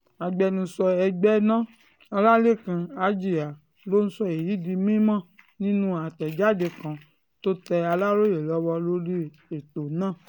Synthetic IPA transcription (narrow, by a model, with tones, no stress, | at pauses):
a˨ɡ͡bɛ˧nũ˧sɔ˧ɛ˧ɡ͡bɛ˦nã˦ | ɔ˧la˦le˦˨kã˨˧a˨˦d͡ʒi˨a˨ | lo˦n̩˦sɔ˧e˨ji˨˦di˧mĩ˦mã˦˨nĩ˦nũ˦a˨tɛ˨d͡ʒa˦˨de˧kã˨ | to˦tɛ˧a˧la˦ɾo˦je˨lɔ˨˦wɔ˧lo˦ɾi˦ | e˨to˨nãː˦˨